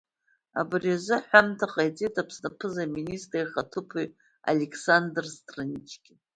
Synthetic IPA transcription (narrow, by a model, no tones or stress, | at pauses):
a̰briazʷɨħʷᶣamtʰaqʼajt͡sʼetʰapʰsnapʰɨzaministʰʼejχatʰɨpʰuj | a̰lʲekʰsandrstʰʼrnʲit͡ʃʰɡʲi